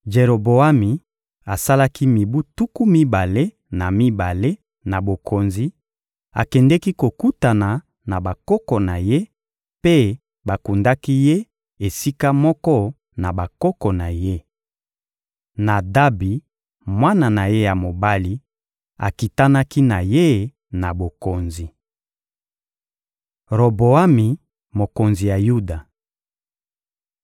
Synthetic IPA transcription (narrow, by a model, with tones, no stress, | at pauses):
d͡ʒe˨ɾo˨bo˨a˦mi˨ | a˨sa˦la˦ki˦mi˨bu˦tu˦ku˦mi˦ba˨le˦ | na˨mi˦ba˨le˦ | na˨bo˨kʰo˨nzi˦ | a̰˨kɛ˨ndɛ˦ki˦ko˨ku˦ta˨na˨ | na˨ba˨kɔ˦kɔ˨na˨je˦ | pe˦ | ba˨ku˨nda˦ki˦je˦ | e˨si˦ka˦mɔ˦kɔ˦ | na˨ba˨kɔ˦kɔ˨na˨je˦ | na˨da˦bi˨ | mwa˦na˨na˨je˦ja˨mo˨ba˦li˦ | a̰˨ki˨ta˦na˦ki˦na˨je˦ | na˨bo˨ko˨nzi˨ | ʁo˨bo˨a˦mi˨ | mo˨ko˨nzi˨ja˨ju˦da˨